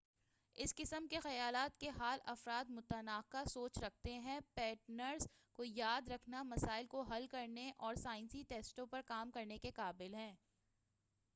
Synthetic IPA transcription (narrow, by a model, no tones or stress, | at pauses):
ɪskɪsəmkexɐjaːlaːt̪keɦaːlɐfɾaːd̪mʊt̪ənaːkasoːt͡ʃɾɐk̚ʰt̪eɦɛ̃pɛːʈnəɾz | kojaːd̪ɾɐkʰnamɐsaːɪlkoɦɐlkɐɾneʔɔːɾsaːɪ̃nsiʈeːsʈõpɐɾkaːmkɐɾnekeqaːbɪlɦɛ̃ː